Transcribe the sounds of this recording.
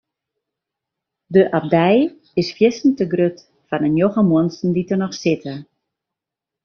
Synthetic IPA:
dəʔap̚dɛj | ɪsfjɪsn̩təɡrøt | fanənjoɣəmuənsn̩ditənɔxsɪtʰə

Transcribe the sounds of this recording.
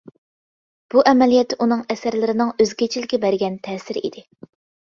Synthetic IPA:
b̥uʔɛmɛlijɛt̪ːʔunɨŋɛsæɾlɪɾɪnɨŋøzɡʲet͡ʃʰilɪkʲːɛbæɾɡʲɛnt̪ʰɛːsɪɾḭd̪ɪ

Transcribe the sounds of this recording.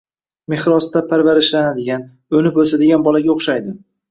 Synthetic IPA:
me̞hɾɒst̪apʰaɾvaɾɪʃlanad̪ɪɡʲan | ɵnɪpɵsad̪ɪɡʲanbɒlaɡʲaoχʃajd̪ɪ

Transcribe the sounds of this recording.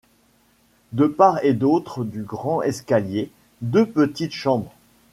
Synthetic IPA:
d̪əpaʁed̪ot̪χəd̪yɡʁɑ̃ʔɛskalje | d̪øpət̪it̪ʃɑ̃bʁ

